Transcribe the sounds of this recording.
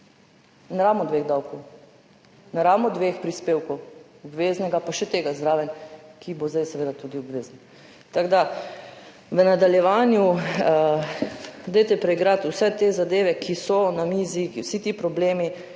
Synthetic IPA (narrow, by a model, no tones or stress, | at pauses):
naɾaːwmɔd̪ʋeɣd̪awkɔw | naɾawmɔd̪ʋeːxpɾispeːwkɔw | ɔbʋeːznɛɡapaʃɛt̪eːɡazd̪ɾaːʋɛnkʰibozd̪ajsɛʋeːd̪at̪uːd̪iɔbʋeːzn̩ | t̪aɡd̪a | ʋənad̪aljɛʋaːnju | d̪ɛjt̪ɛpɾɛiɡɾat̪usɛt̪ezad̪eːʋɛkʰisɔnamiːziwsit̪ipɾɔbleːmi